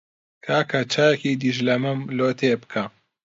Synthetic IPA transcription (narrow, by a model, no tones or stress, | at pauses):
kʰaːkʰat͡ʃʰaːjekid̪iʒlɐmɨmloːt̪ʰebɨ̥kʰa